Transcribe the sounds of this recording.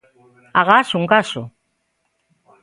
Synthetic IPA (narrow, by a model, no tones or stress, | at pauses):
aɣasuŋkaso